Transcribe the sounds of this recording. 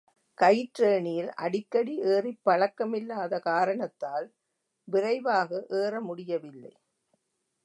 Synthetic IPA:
kɐjʈɾeːɳɪjɪlʔɐ̰ɽɪkːɐɽiʔeːrɪpːɐɭɐkːɐmɪlːaːðɐkaːɾɐɳɐt̪ːaːl | ʋɪɾɐɪʋaːɣɐʔeːɾɐmʊɽɪjɐʋɪlːɐ̰ɪ

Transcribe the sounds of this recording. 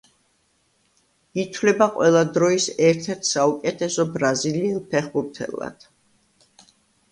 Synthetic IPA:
it̪ʰwlɛbaqʼwɛlˠad̪ɾɔisɛɾt̪ʰɛɾt̪ʰsaukʼɛt̪ʰɛsɔbɾaziliːlˠpʰɛχbuɾt̪ʰɛ̰lˠːa̰d̪̥

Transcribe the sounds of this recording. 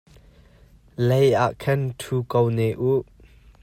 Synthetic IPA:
lejʔaːʔkʰɐnt̪ʰuːkownɛʔuʔ

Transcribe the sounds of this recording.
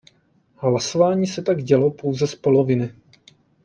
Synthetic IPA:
ɦlaso̞vaːɲiːsɛt̪aɡɟɛlopo̞wzɛspo̞lovɪnɪ

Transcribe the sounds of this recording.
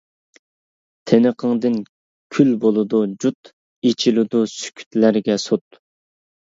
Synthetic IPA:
t̪ʰenəqʰəŋd̪ɨn | kʲʰylbolˠɨd̪ud͡ʒut̪ | et͡ʃʰilɪd̪usy̥kʲʰy̥t̪læɾɡʲɛsot̪̚

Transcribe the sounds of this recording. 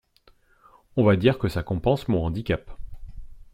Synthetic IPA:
ɔ̃vad̪iʁkəsakɔ̃pɑ̃smɔ̃ɑ̃d̪ikʲap

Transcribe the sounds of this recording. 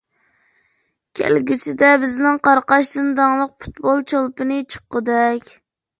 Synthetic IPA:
kʲʰɛ̰lɡʲit͡ʃʰɪd̪ɛbɪznɪŋqʰɑɾqɑʃd̪ɨnd̪ɑŋlˠəq̚pʰu̥t̪bolˠt͡ʃʰolˠpɨnɨt͡ʃʰə̥qːəd̪ɛkʲ

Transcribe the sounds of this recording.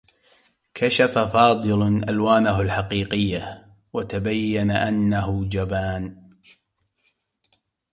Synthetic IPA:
kʰaʃafafɑːd̪ˤɨlʔa̰lwaːnaɦʊlħaqiːqɪjːa | wat̪abajːanaʔanːaɦʊd͡ʒabaːn

